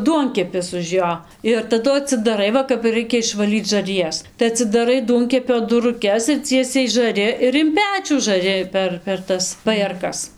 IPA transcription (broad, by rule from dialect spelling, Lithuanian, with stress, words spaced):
ˈduɔŋʲkʲɛpʲɪs ʊʃ ˈjoː ɪr tɐˈdʊ ɐtʲsʲɪdɐˈrɐɪ ˈʋɐ kɐp ɪr ˈrɐɪkʲɛ ɪʃʋɐˈlʲiːt͡s ʒɐrʲˈjɛs tɐɪ ɐtʲsʲɪdɐˈrɐɪ ˈduɔŋʲkʲɛpʲoː dʊrʊˈkʲɛs ɪr ˈt͡sʲiɛsʲɛɪ ʒɐˈrʲɪ ɪr ɪn ˈpʲæːt͡ʃʲuː ʒɐˈrʲɪ ˈpʲɛr pʲɛr ˈtɐs pɐjeːrˈkɐs